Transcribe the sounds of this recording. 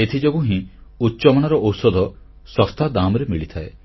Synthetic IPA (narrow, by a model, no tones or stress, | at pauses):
et̪ʰid͡ʒoɡuɦĩutːt͡ʃɔmɔɽ̃ɔɾɔʔowsɔd̪ʱɔ | sɔst̪ʰad̪amɔɾemiɭit̪ʰae